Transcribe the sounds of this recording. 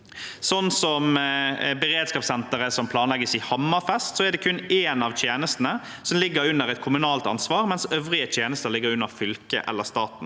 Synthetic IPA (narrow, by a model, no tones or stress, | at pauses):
sɔnːsɔmbɛʁeːd̪skɑːpsɛnt̪əʁəsɔmpʰlɑːnlɛɡəsɪhɑmːɑfɛst̪sɔɛʁd̪ɛkʰʉneːnɑʋt̪ʰjeːnəst̪ənə | sɔmlɪɡːəɾʉnːəʁɛt̪kʰʊmʉnɑːlt̪ɑ̰nsʋɑːʁmɛnsøːʋʁɪət̪ʰjeːnəst̪əʁlɪɡːəɾʉnːəʁfʏlkə̰ʔɛ̰lːəʁst̪ɑːt̪n̩